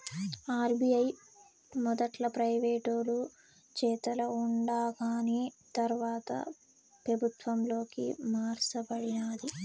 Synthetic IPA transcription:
aːɾbijɐj | mɔd̪ɐʈlɐpɾɐjʋeːʈoːlu | t͡ʃɛːt̪ɐlɐuɳɖaːɡaːnit̪ɐɾʋaːt̪ɐ̰ | pɾɐbʱut̪ʋɐmlo̞ːkḭmaːɾsɐpɐɽinaːd̪i

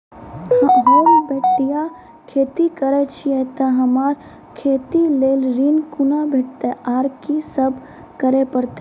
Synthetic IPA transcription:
ɦoːbʱeːʈːija | kʰeːt̪ikəɾɛt͡ʃʰiɛt̪aɦəmaːɾ | kʰeːt̪ileːlɾinkunabʱeːʈt̪eʔaːɾkisəb | kəɾepəɾt̪e

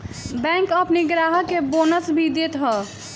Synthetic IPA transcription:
bɛ̃ŋkəpniɡɾaɦəkebonəsbʱid̪et̪ɦə

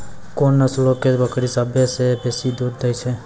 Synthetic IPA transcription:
konːəslokebəkɾisabjesebesid̪uɾd̪ajt͡ʃʰe

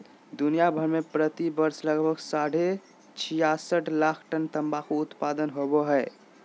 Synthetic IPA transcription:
d̪unijabʱəɾmepɾət̪ibəɾsləɡbʱəɡsaɽ̤e | t͡ʃʰijasəʈlakʰʈənt̪əmbakʰuːt̪pad̪ənɦoboɦəɪ

